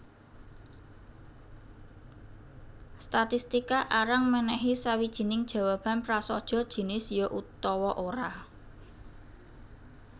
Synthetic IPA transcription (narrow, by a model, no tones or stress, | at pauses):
st̪at̪ist̪ikaʔaɾaŋmənɛɦisawid̥ʒ̥i̤nɪŋd̥ʒ̥a̤wab̥a̤npɾasɔd̥ʒ̥ɔ̤d̥ʒ̥i̤nɪsjɔʔut̪ɔwɔʔoɾa